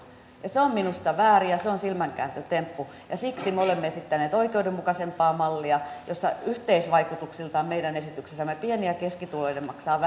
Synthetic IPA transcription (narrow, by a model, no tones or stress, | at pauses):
jɑseomminust̪ɑʋæːrijɑseonsilmæŋkæ̰ːnt̪øt̪empːu | jɑsiksimeolemːeesit̪ːæneːt̪oikeudemmukɑsempɑːmɑlːiɑjosːɑ̰yht̪eisʋɑikut̪uksilt̪ɑːmmeidænesit̪yksesːæmːepieniækeskit̪uloidemmɑksɑːʋ